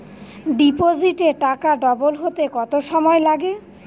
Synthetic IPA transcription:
ɖipod͡ʑiʈeɾʈakaɖɔbolɦot̪ekɔt̪oʃɔmɔelaɡe

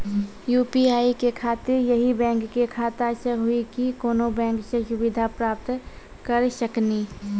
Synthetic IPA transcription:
juːpiaːikekʰaːt̪ɪɾjəɦibɛ̃ːŋkːekʰaːt̪asəɦʊikikoːnobɛ̃ːŋksẽʃʊbɪd̪ʱapɾaːp̚t̪ | kəɾsəkni

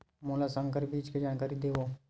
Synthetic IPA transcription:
moːlasə̃ŋkəɾbiːd͡ʒked͡ʒaːnkaːɾid̪eːʋoː

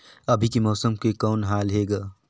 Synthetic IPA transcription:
ɐbʱikimɔːsəmkekɔːnɦaːlɦeːɡaː

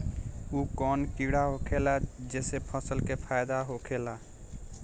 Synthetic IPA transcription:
ukɔnkiɽaɦokʰelad͡ʒesepʰəsəlkepʰajd̪aɦokʰela

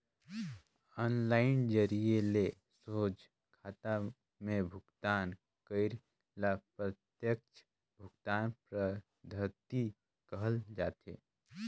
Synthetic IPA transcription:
ɔːnlaːɪnd͡ʒəɾiele | soːd͡ʒ | kʰaːt̪a | mẽbʱʊɡt̪aːn | kəɪɾ | lapɾət̪jək̚t͡ʃʰ | bʱʊɡt̪aːnpɾə | d̪ʱət̪i | kəɦəld͡ʒaːt̪ḛː

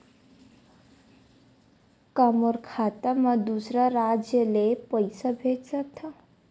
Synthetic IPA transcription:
kamoɾkʰat̪amãd̪usɾaɾad͡ʒjəlepəjsabʱed͡ʒsak̚t̪ʰa

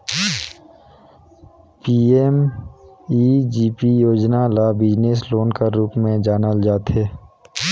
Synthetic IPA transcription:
piːem | iːd͡ʒiːpijoːd͡ʒnalabɪd͡ʒnes̬loːnkaɾuːpmẽd͡ʒaːnəld͡ʒaːt̪ɦeː

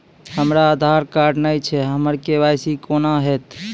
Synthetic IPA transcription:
həmɾaːd̪ʱaɾkaɾɖnəjt͡ʃʰɛɦəməɾkebajsikonaɦɛt̪

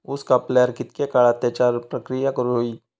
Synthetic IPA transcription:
uskapleəɾkɪt̪̚kekaɭaət̪jat͡ʃaɾpɾəkɾijakəɾoi

